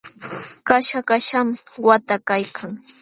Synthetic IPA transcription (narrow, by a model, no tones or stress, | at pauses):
kaʃakaʃamwat̪akajkʰaŋ